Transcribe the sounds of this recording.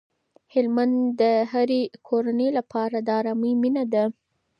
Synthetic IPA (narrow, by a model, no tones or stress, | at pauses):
hɪlmand̪d̪əɦaɾekʰoɾanəjlapʰɑɾad̪əɑɾɑməjminad̪a